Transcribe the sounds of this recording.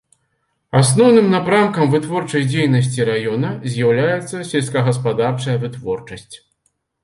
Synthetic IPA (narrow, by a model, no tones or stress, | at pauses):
asnɔwnɨmnapɾamkɐmvɨt̪vɔrt͡ʂɐjd͡zʲejnɐs̬ʲt͡sʲiɾajɔnɐzʲjawlʲajɛt̪sːɐsʲɛlʲsʲkɐɣɐspad̪art͡ʂɐjɐvɨt̪vɔrt͡ʂɐsʲt͡sʲ